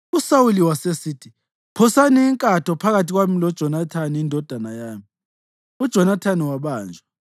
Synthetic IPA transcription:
usawuliwasesiːtʰi | pʰɔsaniːŋkʼatʰɔpʰaɣatiɣwamilɔd̥ʒ̥ʱɔnatʰaniːndʱɔd̥ʱanajaːmi | ud̥ʒ̥ʱɔnatʰaniwaβaːnd͡ʒʱa

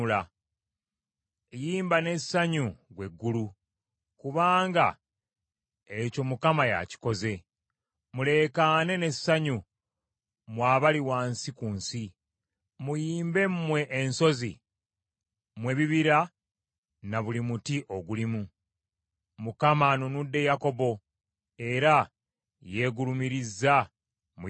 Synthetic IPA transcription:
la | jiːmbane̞saɲuɡwe̞ɡːulu | kuβaːŋɡa̰ | eco̞mukamaja̰ci̥ko̞ze̞ | mule̞kane̞ne̞aɲu | mwaːβaliwaːnsikunsi | mujiːmbe̞mmːwe̞ʔːnso̞zi | mwe̞βiβiɾa | naβulimutiʔo̞ɡulimu | mukamanunudːe̞jako̞βo̞ | e̞ɾa | je̞ɡulumiɾizːa | mu

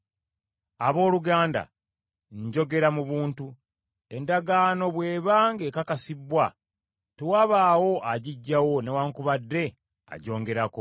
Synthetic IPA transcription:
aβo̞ːluɡaːnda̰ | ɲɟo̞ɡe̞ɾamuβuːntu | e̞ndaɡaːno̞βwe̞ːβaːŋɡe̞kakasibwa | tewaːβaːwo̞ʔaɟiɟːawo̞ne̞waːŋkuβadːe̞ | a̰ɟo̞ːŋɡe̞ɾako

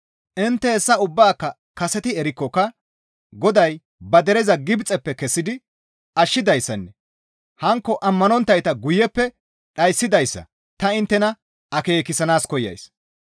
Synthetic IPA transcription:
ʔɪnt̪ːɛɛsːɐʊbːaːkːɐ | kɐsɛt̪ɪɛɾɪkːɔkːɐ | ɡɔd̪ɐj | bɐd̪ɛɾɛzɐɡɪbt͡sʼɛpːɛkɛsːɪd̪ɪ | ʔɐʃːɪd̪ɐjsːɐnːɛ | hɐŋkːɔʔɐmːɐnɔnt̪ːɐjt̪ɐɡʊjːɛpːɛ | ɗɐjsːɪd̪ɐjsːɐ̰ | t̪ɐɪnt̪ːɛnɐ | ɐke̞ːkɪsɐnaːskɔjːɐ̰js

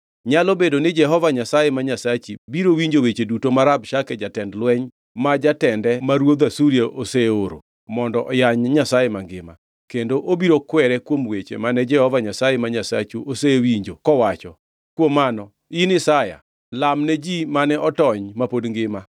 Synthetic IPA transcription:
ɲalobedonɪd͡ʒɛɦɔvaɲasajemaɲasat͡ʃibiɾowiɲd͡ʒowet͡ʃedutomaɾabʃakɛd͡ʒatɛndlwɛɲ | mad͡ʒatɛndɛmaɾwod̪asuɾjeʔoseoɾo̰ | mɔndɔʔɔjaɲɲasajemaŋɡɪma̰ | kendoʔobiɾokwɛɾɛkwomwet͡ʃḛmanɛd͡ʒɛhɔvaɲasajemaɲasat͡ʃuʔosewiɲd͡ʒokɔwat͡ʃɔ | kwomːanɔ | inɪsaja̰ | lamnɛd͡ʒimanɛʔɔtɔɲmapodŋɡɪma

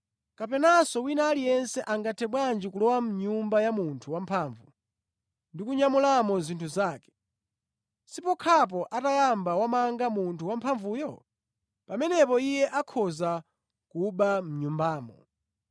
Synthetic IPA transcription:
kapɛnasɔwinaːlijɛnsɛʔaŋɡatʰɛɓwand͡ʒikulɔwam̩ɲumbajamuntʰuwampʰaːɱvu | ndikuɲamulamɔzintʰuzaːkɛ̥ | sipɔkʰap̬ɔʔatajambawamaŋɡamuntʰuwampʰaɱvuːjɔ | pamɛnɛpɔijɛʔakʰɔza | kuɓam̩ɲumbaːmɔ̰

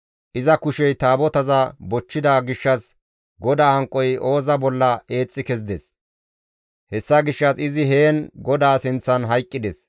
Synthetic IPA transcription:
ʔɪzɐkʊʃɛjt̪aːbɔt̪ɐzɐbɔt͡ʃːɪd̪aːɡɪʃːɐs | ɡɔd̪aːhɐŋkʼːɔjʔo̞ːzɐbɔlːɐe̞ːt͡sʼːɪkɛzɪd̪ɛs | hɛsːɐɡɪʃːɐsɪzɪɦe̞ːnɡɔd̪aːsɪnt͡sːɐnɦɐjkʼːɪd̪ɛs

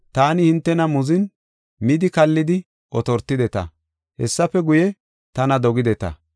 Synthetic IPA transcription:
t̪aːnɪhɪnt̪ːɛnɐmʊzɪn | mɪd̪ɪkɐlːɪd̪ɪ | ʔɔt̪ɔɾt̪ːɪd̪ɛt̪ɐ̰ | hɛ̰sːɐfɛɡʊjɛ | t̪ɐnɐd̪ɔɡɪd̪ɛt̪ɐ̰

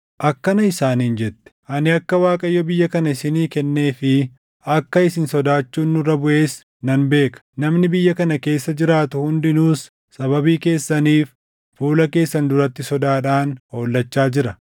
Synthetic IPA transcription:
ʔɐkːɐnɐɪsaːniːnd͡ʒɛt̪ːɛ̥ʔɐnɪɐkːɐwaːkʼɐjːɔbɪjːɐkɐnɐɪsɪniːkɛnːe̞ːfɪ | ɐkːɐɪsɪnsɔd̪aːt͡ʃːuːnːʊrːɐbʊʔe̞ːs | nɐnbe̞ːkɐ̥nɐmnɪbɪjːɐkɐnɐke̞ːsːɐd͡ʒɪɾaːt̪ʊhʊnd̪ɪnuːsː | ɐβɐbiːke̞ːsːɐniːf | fuːlɐke̞ːsːɐnd̪ʊɾɐt̪ːɪsɔd̪aːᶑaːnho̞ːlːɐt͡ʃːaːd͡ʒɪɾɐ

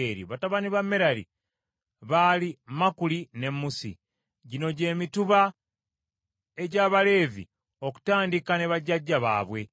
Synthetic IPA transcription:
eɾḭβataβaniβamːeɾalḭ | βalimakuline̞mːusḭ | ɟino̞ɟe̞ːmituβa | e̞ɟaːβale̞ːvḭ | o̞ku̥taːndikaneβaɟːaɟːaβa̰ːβwe̞

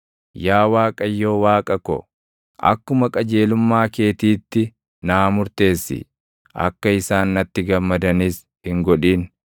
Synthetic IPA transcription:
jaːwaːkʼɐjːo̞ːwaːkʼɐkɔ̰ | ʔɐ̰kːʊmɐkʼɐd͡ʒe̞ːlʊmːaːke̞ːt̪iːt̪ːɪ | naːmʊɾt̪e̞ːsːɪ̰ | ɐ̰kːɐɪsaːnːɐt̪ːɪɡɐmːɐd̪ɐniːs | hɪŋɡɔᶑiːn

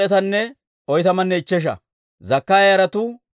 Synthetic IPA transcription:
ɛt̪ɐnːɛ | ɔjt̪ɐmɐnːɛɪt͡ʃːɛʃ̬ɐ̰ | zɐkːaːjjɐɾɐt̪ʊ

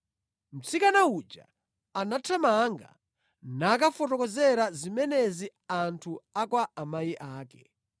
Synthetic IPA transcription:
m̩t͡sikanaud͡ʒa̰ | anatʰamaŋɡa̰ | nak̬afɔtɔkɔzɛɾazimɛnɛziantʰuakwaamajiʔaːkɛ

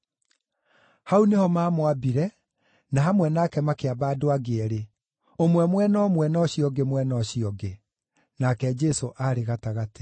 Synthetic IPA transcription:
haunehɔmaːmoabiɾɛ | naɦamwɛnakɛmakeabadoaɡeɛɾe | omwɛmwɛnɔmwɛnɔɕiɔɡemwɛnɔɕiɔɡe | nakɛd͡ʒɛsoʔaɾeɣataɣate̥

